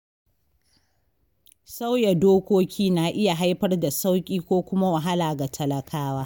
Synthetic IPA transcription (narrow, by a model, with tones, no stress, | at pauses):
sa˦wja˨doː˦kʷoː˦kʲiː˦na˨ʔɪ˦ja˨ɦa˦jɸɐ˦rda˨sa˦wkʲʼiː˦kʷoː˦kʷʊ˦ma˦wa˨ɦa˦laː˨ɡa˨tʰɐ˨lɐ˨kʰaː˦waː˦